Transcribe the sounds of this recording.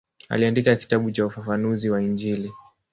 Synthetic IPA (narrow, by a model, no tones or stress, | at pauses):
a̰liandikaki̥taɓut͡ʃaufafanuziwaind͡ʒili